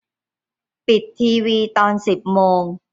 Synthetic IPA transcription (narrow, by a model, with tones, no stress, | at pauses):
pi˨˩t̪ʰːiː˧wiː˧t̪ɔː˧nsi˨˩p̚moː˧ŋ